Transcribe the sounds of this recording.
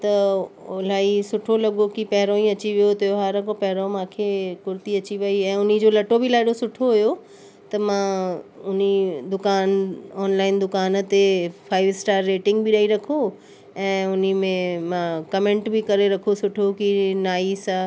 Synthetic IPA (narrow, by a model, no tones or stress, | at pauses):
t̪ɐʊlaːisʊʈʰolɐɠokipɐɦɪɾõĩɐt͡ɕiʋijot̪ɐjoɦaːɾɐ̃kopɐɦɾõmãːkʰekʊɾt̪iɐt͡ɕiʋɐiɛ̃ːʊnid͡ʑoːlɐʈobɪlaːɪɽosʊʈʰoɦʊjo | t̪ɐmãʊnid̪ʊkaːnɔːnlaːɪnd̪ʊkaːn̆t̪efʰaːɪʋɪsʈaːɾːeːʈɪ̃ŋɡbɪɗɐiɾɐkʰo | ɛ̃ːʊnimẽmãkɐmẽɳʈbɪkɐɾeɾɐkʰosʊʈʰokinaːisã